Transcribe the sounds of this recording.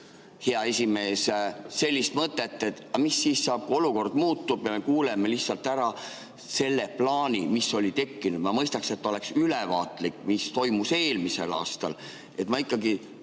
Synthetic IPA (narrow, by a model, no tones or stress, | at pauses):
heɑe̞sʲime̞ːsse̞lʲːist̪mɤt̪ːˑe̞t̪ːˑet̪ːˑɑmisːiːssɑːb̥̚kuo̞luko̞rd̪̥muːt̪ːˑub̥jɑme̞kuːlemelihtsɑlt̪ːˑæɾɑ | se̞lːeplɑːnʲimiso̞lʲit̪e̞kːinud̪mɑmɤjst̪ɑkset̪ˑːo̞le̞ksylɛvɑːt̪likːmist̪o̞jmuse̞ːlmise̞̰lɑ̰ːst̪ɑ̰l | e̞t̪mɑikˑːɑɡi